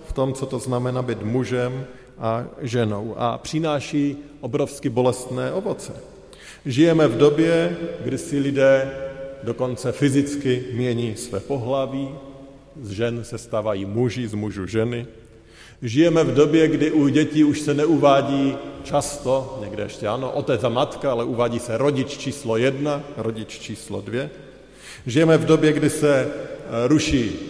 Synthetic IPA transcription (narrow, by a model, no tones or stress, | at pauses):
ft̪o̞mt͡sot̪o̞znamɛnabɪt̪muʒɛm | ʔaʒɛno̰wʔa̰pr̝̥ɪnaːʃiːʔobɾofskɪbo̞lɛst̪nɛːʔo̞vo̞t͡sɛ | ʒɪjɛmɛvdo̞bjɛɡdɪsɪlɪdɛːdo̞ko̞nt͡sɛfɪzɪt͡skɪmɲɛɲiːsvɛ̰ːpo̞ɦlaviː | zʒɛnsɛst̪aːvajiːmuʒɪzmuʒuʒɛnɪ | ʒɪjɛmɛvdo̞bjɛɡdɪʔuɟɛciːuʃsɛnɛuvaːɟiːt͡ʃast̪o̞ɲɛɡdɛ̰jɛʃcɛano̰ʔot̪ɛd͡zamat̪kaalɛʔuvaːɟiːsɛɾo̞ɟɪt͡ʃt͡ʃiːslojɛdnaɾoɟɪt͡ʃt͡ʃiːslo̰dvjɛ | ʒɪjɛmɛvdo̞bjɛɡdɪsɛ | ɾuʃiː